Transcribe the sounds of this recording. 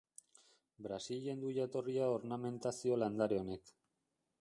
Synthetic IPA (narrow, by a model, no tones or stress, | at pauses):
bɾasiʎe̞nd̪uʎat̪o̞riao̞ɾname̞nt̪asio̞land̪aɾeo̞ne̞k